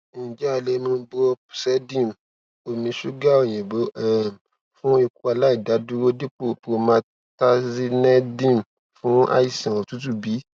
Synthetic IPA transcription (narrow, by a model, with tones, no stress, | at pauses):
nĩ˨d͡ʒɛ˨˦a˨le˨˦mũ˧˦bo˧˨sɛ˦dĩ˦˨m˨ | o˧mĩ˧ʃu˦ɡa˦o˦˨j̃ɛ̃˨bo˨˦ʔɛ˦˨m | fũ˦i˧ku˦a˧la˦i˦˨da˨˦du˦ɾo˦di˦k͡po˦˨po˧mãː˧ | ta˦zi˦nɛ̃˦dĩ˦˨m˨ | fũ˨˦a̰˦i˦˨sã˨o˨tu˦t̬u˦bi˨˦